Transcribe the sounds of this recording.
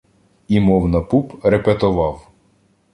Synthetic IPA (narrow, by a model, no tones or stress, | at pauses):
imɔwnɐpupɾepet̪ɔʋɑw